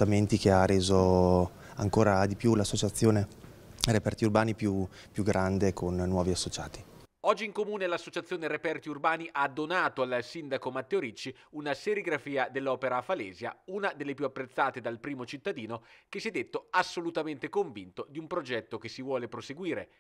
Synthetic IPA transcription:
t̪ament̪ikeaɾeːzo | aŋkoːɾad̪ipjulasːot͡ʃat̪sːjoːne | repɛrt̪iurbaːnipju | pjuɡɾand̪ekʰonːwɔːviasːot͡ʃaːt̪i | ɔd͡ʒːiŋkomuːnelasːot͡ʃat̪sːjoːneɾepɛrt̪iurbaːniʔad̪ːonaːt̪oalsind̪akomat̪ːeoɾit͡ʃːi | unaseɾiɡɾafiːad̪elːɔːpeɾafaleːzja̰unad̪elːepjuapːɾet̪sːaːt̪ed̪alpɾiːmot͡ʃit̪ːad̪iːnok̟esːiɛd̪ːet̪ːoasːolut̪ament̪ekoɱvint̪od̪iumpɾod͡ʒɛt̪ːok̟esːivwɔːlepɾoseɡwiːɾe

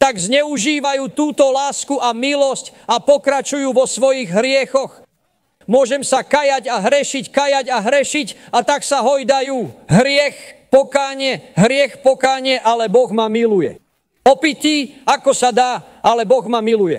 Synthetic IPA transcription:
t̪aɡzɲɛuʒiːʋajuːt̪uːt̪ɔlaːskuʔamilɔsc | apɔkɾat͡ʃujuːʋɔsʋɔjiɣɦɾɪɛxɔx | mʊɔʒɛmsakajaɟaɦɾɛʃickajaɟaɦɾɛʃicat̪aksaɦɔjd̪ajuːɦɾɪɛxpɔkaːɲɪɛɦɾɪɛxpɔkaːɲɪɛʔalɛbɔɣmamilujɛ̰ | ɔpiciakɔsad̪aː | ʔalɛbɔɣmamilujɛ̰

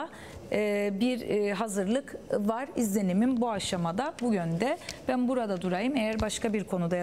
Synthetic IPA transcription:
ɯːbiɾɦazɯɾlˠɯkvaɾizlʲe̞nimimbuaʃamad̪abuɟønd̪ɛb̥ænbuɾad̪ad̪uɾajɯmejæɾbaʃkʰabiɾkʰo̞nud̪a

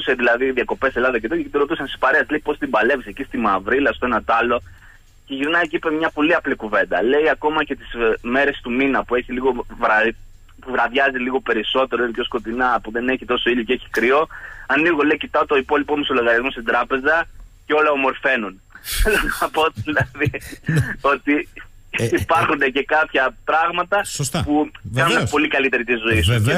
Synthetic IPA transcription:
seðilɐðiðiɐko̞pe̞se̞lɐðɐcet̪oeket̪iɾo̞t̪usɐnsispɐɾeɐsleipo̞st̪imbɐle̞visecist̪imɐvɾilɐst̪oe̞nɐt̪ɐlo̞ | ce̞ʝiɾnɐjcipemɲɐpo̞liɐplikuve̞nd̪ɐle̞jɐko̞mɐcet̪i̥zme̞ɾe̞st̪uminɐpue̞çiliɣo̞v | puvɾɐðʝɐziliɣo̞pe̞ɾiso̞t̪e̞ɾoinipço̞sko̞t̪inɐpuðe̞ne̞çit̪o̞so̞iʎoceeçi̥kɾio̞ɐniɣo̞le̞icit̪ɐot̪o̞ipo̞lipomeso̞loɣɐɾiɐzmo̞st̪id̪ɾɐpe̞zɐceo̞lɐomo̞ɾfe̞nun | ɐpo̞ðilɐði | o̞t̪iː | pɐɾxunece̞kɐpçɐpɾɐɣmɐt̪ɐsspuɐnunepo̞likɐlit̪e̞ɾit̪izoise

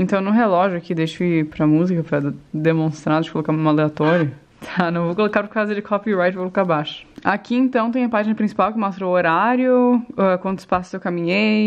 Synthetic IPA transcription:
ẽnt̪ɐ̃w̃nʊ̃ɦelɔʒʊakid̪ejʃʊɪpɾɐmuzikɐpɾɐd̪emõst̪ɾad̪ʊd͡ʒɪkolokaɾũmɐleat̪ɔɾjɐ | t̪ʰanɐ̃w̃vowkolokaɾpʊɾkazɐd͡ʒɪkʰɔpiɾajt͡ʃokolokabaʃʊ̥akiẽnt̪ɐ̃w̃t̪ẽj̃ɐpaʒinɐpɾĩsi̥pawkɪmɔst̪ɾooɾaɾjʊɛkwɐ̃nt̪ʊ̥spasʊ̥zewkamĩɲej

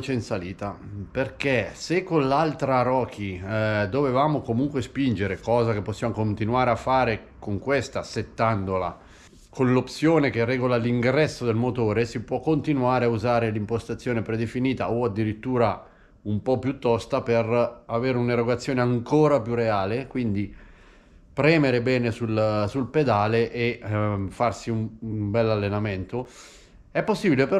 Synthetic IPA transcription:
t͡ʃeinsaliːt̪aperk̟esekːonlalt̪ɾaɾɔːkʰid̪ovevaːmokomuŋkwespind͡ʒeɾekɔːzak̟epːosːjaːmokont̪inuaːɾeafːaːɾe | koŋkwest̪aset̪ːand̪ola̰ | kʰonlopsjoːnekerːɛːɡolaliŋɡɾɛsːod̪elmot̪oːɾesipwɔkːont̪inuaːɾeauzaːɾelimpost̪at̪sːjoːnepɾed̪efiniːt̪a̰oad̪ːiɾit̪ːuːɾa | umpɔpːjut̪ːɔst̪aperaveːɾeuneɾoɡat̪sːjoːneaŋkoːɾapjureaːlekwind̪i | pɾɛːmeɾebɛːnesulsulped̪aːleʔefarsiummbɛlːalːenament̪o | ɛpːosːibilepe

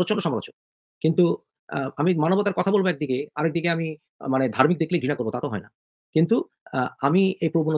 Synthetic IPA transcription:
ɾot͡ɕonːoʃɔmaɾo̰t͡ɕon | kint̪u | amimanobot̪aɾkɔt̪ʰabolboɛk̚d̪ikeaɾek̚d̪ikeami | maned̪ʱaɾmik̚d̪ekʰlebʱinakoɾbot̪at̪oɦɔ̰ena | kint̪u | amiejpɾobun

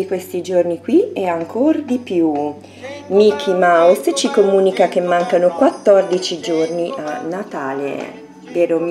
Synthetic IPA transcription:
ikwest̪id͡ʒornikwiɛaŋkʰord̪ipju | mikʰimawst͡ʃikomuːnikak̟emːaŋkanokwat̪ːɔrd̪it͡ʃid͡ʒornianːat̪aːlḛ | veːɾo

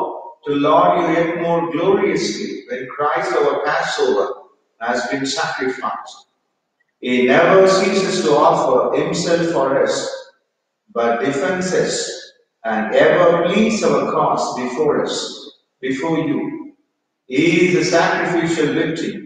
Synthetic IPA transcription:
ʈulɔːjujɛʈ̚moːɾɡloːɾiəsliʋɛ̃nkʰɾaɪsɔʋəpæsoːʋəɾ | hæzbĩnsækɾɪfa̰ɪsʈ | inɛʋəɾsiːsɪsʈuɔfəɾhɪ̃msɛlfːɔɾʌs | bʌʈ̚ɖɪfɛ̃nsɪs | æ̃ɳɖɛʋəɾplĩːsʌʋəkʰɔsbɪfoːɾʌ̰s | bɪfoːɾju | izəsækɾɪfiʃəlʋɪk̚ʈʰɪ̃m

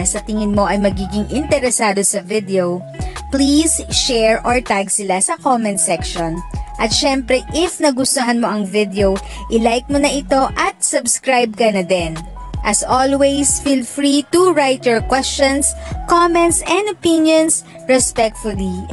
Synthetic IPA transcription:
sɐt̪ɪŋɪnmo̞ʔɐjmɐɡiːɡɪŋʔɪnt̪ɛɾɛsaːd̪o̞sɐvɪd̪ɛow | pliːsʃɛɹɔɹt̪aɡsɪlasɐkomɛ̃nt̪sɛkʃonʔɐt̪̚ʃɛmpɾɛʔɪfnɐɡʊst̪oɦɐnmo̞ʔɐŋvɪd̪ɛow | ʔɪlajk̚monɐʔɪt̪o̞ʔɐt̪̚sʊbskɹajb̚kɐnɐd̪ɛnʔɐsʔolwɛjsfilfɹit̪uɹajt̪ɛɹkwɛst͡ʃɔ̃nskomɛnt̪sɛ̃nd̪ɐpɪnjons | ɹɛspɛk̚t̪fʊli

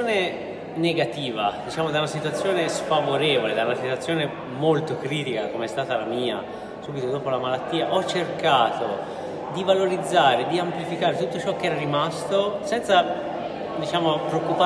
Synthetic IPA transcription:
oːne | neɡat̪iːvad̪it͡ʃaːmod̪awnasit̪uwat̪sːjoːnesfavoɾɛːvoled̪aunasit̪wat̪sːjoːne | molt̪okɾiːt̪ikakomeɛst̪aːt̪alamiːa̰ | suːbit̪od̪oːpolamalat̪ːiːaʔɔt͡ʃːerkaːt̪o | d̪ivaloɾid̪zːaːɾed̪iamplifikaːɾet̪ut̪ːot͡ʃɔkːeɛɾaɾimast̪osɛnt̪sa | d̪it͡ʃaːmopɾeokːupa

